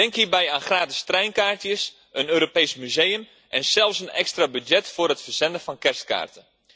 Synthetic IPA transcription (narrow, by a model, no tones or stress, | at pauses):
dɛŋkɦiːɹbɛjaːnxraːtɪ̥strɛjnkaːɹtjəs | ənøːɾopejsmyzejəm | ʔɛnsɛlˠfsənɛ̰kstrabydjɛtfʊːrətfərz̥ɛndəfɑnkɛrst̚ka̰ːrtə